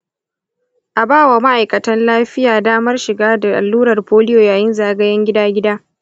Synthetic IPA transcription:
ʔa˨baː˦˨wa˨ma˦ʔa˨jkɐ˨tɐ˦nlaː˦ɸɪ˦jaː˨daː˦mɐ˦rʃɪ˨ɡaː˦da˨ʔa̰˨lːuː˦ɾɐ˨rɸoː˦lɪ˦joː˨jaː˨jɪ˦nzaː˨ɡɐ˦jɐ˦ŋɡʲɪ˦daː˦ɡʲɪ˦daː˦

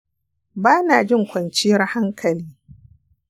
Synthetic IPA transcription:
baː˦naː˨d͡ʒɪ˦˨ŋkʷɐ˨nt͡ʃɪ˦jɐ˦rha˦ŋkʰɐ˨liː˦

